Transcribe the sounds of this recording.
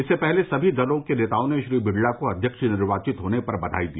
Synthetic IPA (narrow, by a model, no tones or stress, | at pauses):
ɪsːepɛɦlesɐbʱid̪ɐlõkeneːt̪aːõneʃɾiːbɪɖlakoɐd̪ʱjəkʃnɪɾʋaːt͡ʃɪt̪ɦoːnepɐɾbɐd̪ʱa̰ːid̪ḭː